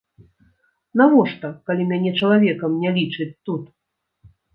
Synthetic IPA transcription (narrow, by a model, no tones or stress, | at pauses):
navɔʂt̪ɐkalʲimʲanʲɛt͡ʂɐlˠavʲɛkɐmnʲɛlʲit͡ʂɨt͡sʲt̪ut̪